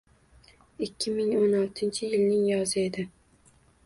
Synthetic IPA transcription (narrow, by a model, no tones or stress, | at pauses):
ɪkʲːɪmɪŋonɒlˠt̪ʰɪnt͡ʃʰɪjɪlnɪŋjɒzɪe̞d̪ɪ